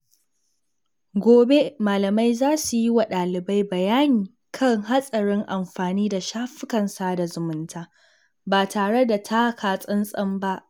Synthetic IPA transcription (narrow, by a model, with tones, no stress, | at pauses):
ɡʷoː˨be˦maː˨lɐ˨ma˦jzaː˦su˨ji˦wa˨ɗaː˨lɪ˨ba˦jbɐ˨jaː˦niː˨ | kʰɐ˦ŋɦa˦sʼɐ˨ɽɪ˦ŋʔa˨mɸaː˨niː˦da˨ʃaː˦ɸɪ˦kɐ˨nsa˨da˨zʊ˨mʊ˨ntʰaː˦ | baː˨tʰaː˨ɽe˦da˨tʰa˦kaː˨sʼɐ˦nsʼɐ˦mba˦ʔ